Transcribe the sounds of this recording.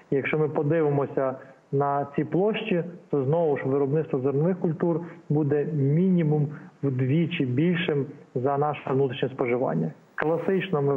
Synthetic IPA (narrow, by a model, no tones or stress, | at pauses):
ijɐkʃt͡ʃɔmɪpɔd̪ɪʋɪmɔsʲɐ | nɐt͡sʲiplˠɔʃt͡ʃit̪ɔznɔʋʊʃʋɪɾɔbnɪt̪st̪ʋɔzɔrnɔʋɪxkʊlʲt̪urbud̪ɛmʲinʲimumwd̪ʋʲit͡ʃɪbʲilʲʃɪmzɐnɑʃnut̪ɾi̥ʃnʲɛspɔʒɪʋɑ̰nʲːɐ | klˠɐsɪt͡ʃnɔmɪ